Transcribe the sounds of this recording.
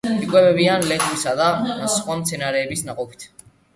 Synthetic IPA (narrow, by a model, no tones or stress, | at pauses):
ikʼwɛbɛbianlɛɣwisad̪asχʼwamt̪sʰɛnaɾɛːbisnaqʼɔpʰi̥t̪ʰ